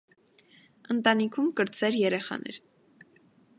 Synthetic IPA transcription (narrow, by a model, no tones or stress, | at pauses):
ənt̪ɑnikʰumkəɾt͡sɛɾjɛɾɛχɑ̰nɛ̰ɾ